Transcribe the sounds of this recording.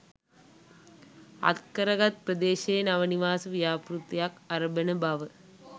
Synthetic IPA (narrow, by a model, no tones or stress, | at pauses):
ɐ̰t̪̚kɐɾɐɣɐt̪̚pɾɐd̪eːʃeːnɐʋɐniʋaːsɐʋijaːpɾut̪ːjaːkɐɾɐbɐnɐbaʋɐ